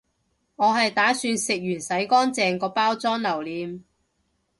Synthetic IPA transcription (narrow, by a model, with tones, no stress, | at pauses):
ŋɔː˨˧ɦɐ˨jt̪aː˨˥syː˧nsɪ˨k̚jyː˨˩nsɐ˨˥jkɔː˥nt͡sɛː˨ŋkɔː˧paː˥wt͡sɔː˥ŋlɐ˨˩wliː˨˧m